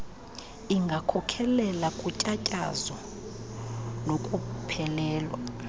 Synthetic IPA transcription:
iŋɡʱakʰɔkʰɛlɛlakʼucʼacʼa̰zɔ | nokʼupʰɛlɛːlwa̰

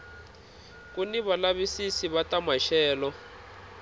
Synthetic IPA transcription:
kuniβalaβisisiβatamaʃɛːlɔ

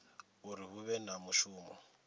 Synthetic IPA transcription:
uɾiɦuβɛnamuʃuːmɔ̰

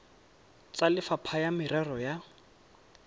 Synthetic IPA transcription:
t͡salɪfapʰajamɪɾɛrɔja

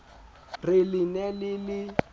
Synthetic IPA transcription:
rɪlɪnɛlɪlɪ

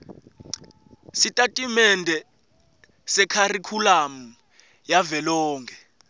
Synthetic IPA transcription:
sitʼatʼimɛndʱɛ | sɛkʰarikʰulamu | javɛlɔːŋɡʱɛ

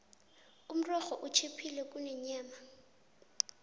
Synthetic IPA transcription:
um̩rɔχɔʔut͡ʃʰepʰilɛk̬ʼunɛɲaːma

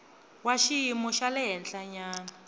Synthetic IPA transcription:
waʃijimɔʃalɛɦɛnɬaɲaːna

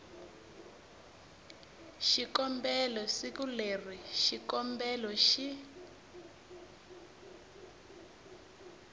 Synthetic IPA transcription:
ʃikɔmbɛlɔsikuler̤iʃikɔmbɛlɔʃi

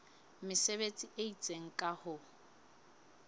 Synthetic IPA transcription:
mɪsebet͡sʼiʔeit͡sʼeŋ̩kʼahʊ

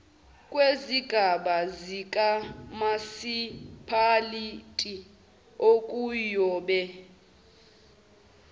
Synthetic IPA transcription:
kʼweziɡ̥ʱaɓazikʼamasipʰalitʼi | okʼujɔːɓɛ

